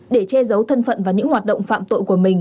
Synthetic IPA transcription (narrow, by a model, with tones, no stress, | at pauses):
ɗe˧˩t͡ɕɛ˧zə˨˦wt̪ʰə˧nfə̰˧˨nvaː˨˩ɲɨ̰˧˥ŋhwaː˨˩t̚ɗə̰˧˨wŋ͡mfa̰ː˧˨mt̪o̰˧˨jku˧˩əmï˨˩ŋ̟